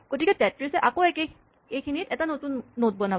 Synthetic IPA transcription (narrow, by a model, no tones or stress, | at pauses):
kotikɛtɛtɹisɛʔakoɛke | ekinitɛtanotunːot̚bɔna